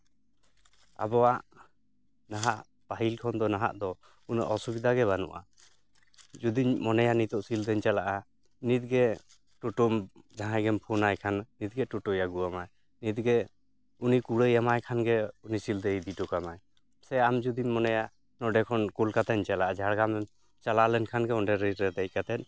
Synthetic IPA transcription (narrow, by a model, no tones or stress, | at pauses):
a̰bɔwaʔ | naɦaʔ | paɦilkʰɔnd̪ɔnaɦa̰ʔd̪ɔ | unaʔɔsubid̪aɡɛβanṵʔa̰ | d͡ʒud̪iɲmɔnɛjaʔnit̪ɔʔsild̪əɲt͡ʃalaʔa | nit̪̚ɡɛ | ʈuʈumd͡ʒaɦajɡɛmpʰunajkʰanːit̪̚ɡɛʈuʈɔjaɡuamaj | nit̪̚ɡɛ | unikuɽəjamajkʰanɡɛunisild̪əid̪iʈɔkamaj | sɛamd͡ʒud̪iɲmɔnɛja | nɔɖɛkʰɔnkulkat̪ɛɲt͡ʃalaʔad͡ʒʱaɽɡamɛm | t͡ʃalaʔlɛnkʰanɡɛɔnɖɛɾiɛd̪ɛc̚kat̪ɛt̪̚ˀ